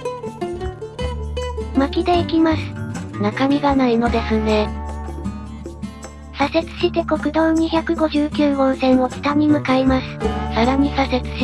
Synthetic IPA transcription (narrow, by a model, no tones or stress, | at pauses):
makʲid̪e̞ikʲimasɨ̥nakamʲiɡanaino̞d̪e̞sɨne̞ | sase̞t͡sɨ̥ɕit̪e̞ko̞kɯ̟d̪õ̞ɲ̟içakɯ̟ɡo̞ʑɨːkʲɨːõ̞ɰ̃sẽ̞ɰ̃o̞fi̥t̪aɲ̟imɯ̟kaimasɨ̥saɾaɲ̟isase̞t͡sɨ̥ɕi